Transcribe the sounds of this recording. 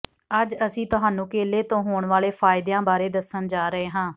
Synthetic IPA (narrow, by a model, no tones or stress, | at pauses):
əd͡ʒəsĩːt̪ʊɦaːnũːkeːleːt̪õːɦoːɳʋaːleːpʰaːɪd̪jãːbaːɾeːd̪əsənd͡ʒaːɾəɦeːɦãː